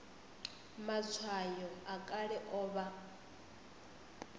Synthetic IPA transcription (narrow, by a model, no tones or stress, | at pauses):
mat͡sʰwajɔakʼaɺɛʔɔːβa